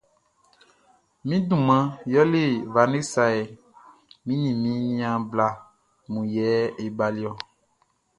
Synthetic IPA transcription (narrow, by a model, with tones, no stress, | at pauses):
mĩ˦dũ˨mã˨jɔ˦le˦˨va˨ne˦sa˨e˨ | mĩ˦nĩ˨mĩ˨˦nĩ˦ã˨bla˦ | mũ˨jɛ˨˦e˨ba˨li˦ɔ˦